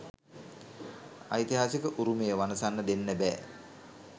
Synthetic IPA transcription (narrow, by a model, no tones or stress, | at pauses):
a̰jt̪iɦaːsikəʔuɾumejəʋanəsanːəd̪enːəbɛː